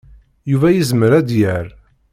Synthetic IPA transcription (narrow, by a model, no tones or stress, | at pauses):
juvæjizməɾæd̪jəɾ